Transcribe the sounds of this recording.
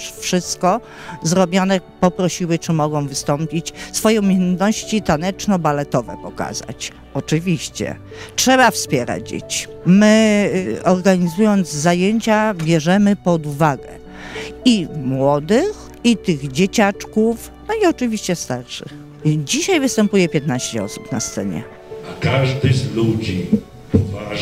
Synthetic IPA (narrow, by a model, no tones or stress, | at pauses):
ʂfʂɘst̪kɔ | zɾɔbʲjɔnɛpɔpɾɔɕiwɘt͡ʂɘmɔɡɔ̃w̃vɘst̪ɔmpʲit͡ɕsfɔjɔ̃w̃mʲjɛnt̪nɔɕt͡ɕit̪anɛt͡ʂnɔbalɛt̪ɔvɛ̰pɔka̰za̰t͡ɕ | ɔt͡ʂɘvʲiɕt͡ɕɛ̰ | tʂɛβafspʲjɛɾa̰d͡ʑd͡ʑḛt͡ɕi̥ | mɘ | ɔɾɡaɲizujɔnd̪zzajeɲt͡ɕabʲjɛʐɛmɘpɔd̪uvaɡɛ | imwɔd̪ɘx | it̪ɘɣd͡ʑet͡ɕat͡ʂkuf | nɔiɔt͡ʂɨvʲiɕt͡ɕɛst̪aɾʂɨ̰x | d͡ʑiɕajvɘst̪ɛmpujɛpʲjɛt̪̚naɕt͡ɕɛɔ̰su̥pnast̪sɛɲɛ̰ | akaʐd̪ɨzlud͡ʑi | pɔva